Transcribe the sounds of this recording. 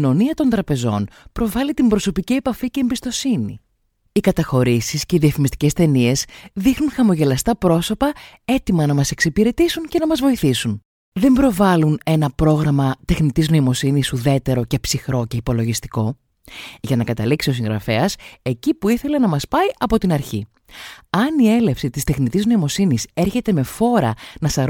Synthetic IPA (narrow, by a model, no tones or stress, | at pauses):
no̞niɐt̪o̞nd̪ɾɐpe̞zo̞̰npɾo̞vɐlit̪imbɾo̞so̞picie̞pɐfice̞ːmbist̪o̞sinḭ | ikɐt̪ɐxo̞ɾisisce̞iðiɐfimist̪i̥ce̞st̪e̞nie̞sðixnunxɐmo̞ʝe̞lɐst̪ɐpɾo̞so̞pɐe̞t̪imɐnɐmɐse̞ksipiɾe̞t̪isunce̞nɐmɐzvo̞iθisun | ðe̞mbɾo̞vɐlune̞nɐpɾo̞ɣɾɐmɐt̪e̞xnit̪izno̞imo̞sinisuðe̞t̪e̞ɾo̞ce̞psixɾo̞ce̞ipo̞lo̞ʝist̪i̥ko̞ | ʝɐnɐkɐt̪ɐliksio̞sĩŋɣɾɐfe̞ɐse̞cipuiθe̞le̞nɐmɐspɐiʔɐpo̞t̪inɐɾçi | ɐnie̞le̞fsit̪ist̪exnit̪izno̞imo̞sinise̞ɾçe̞t̪e̞me̞fo̞ɾɐnɐsɐɾ